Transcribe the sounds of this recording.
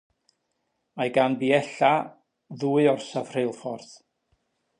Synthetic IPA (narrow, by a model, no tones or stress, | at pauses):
majɡanbiɛɬa | ðuːɨɔrsav̥r̥ejlˠfɔrð̥